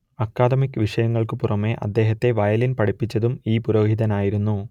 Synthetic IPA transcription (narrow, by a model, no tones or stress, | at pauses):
ɐkːaːd̪ɐmikːɨʋiʂɐjɐŋːɐɭkɨpurɐme̞ʔɐ̰d̪ːe̞ːɦɐt̪ːe̞ʋɐjɐlinpɐʈipːit͡ɕːɐðumiːpuɾoːhiðɐnaːjiɾunːu